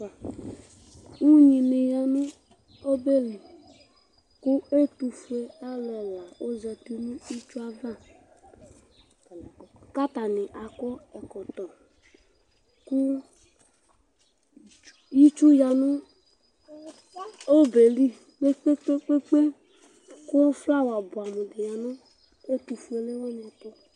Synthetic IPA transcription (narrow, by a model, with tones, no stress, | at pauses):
u˦ɲi˨ne˨ja˧nũ˦ | o˦be˦li˨ | ku˦e˦tu˨fe˨a˦lɔ˨la˨o˦zɛ˧ti˨nũ˦i˦t͡ʃu˦a˦va˦˨ | ka˦ta˨nɪ˨ʔa˨kɔ˦ɛ˨kɔ˨tɔ˨ | kʊ˦ | ji˦t͡ʃu˦ja˨nʊ˦ | o˦be˨li˦ | k͡pe˦k͡pe˦k͡pe˦k͡pe˦k͡pe˦ | kʊ˦ɔ˦fla˦wa˨bʊ˨a˨mu˨dɪ˨ja˨nʊ˦ | e˦tu˨fu˨e˨le˦wɔ˦n˨ɛ˨tɔ˦